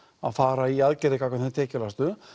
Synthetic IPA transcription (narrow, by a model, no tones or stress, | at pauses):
a̰ðfaːɾaiaðcɪɾɪkakvaθɪt̪ʰɛːcɪlast̪ʏ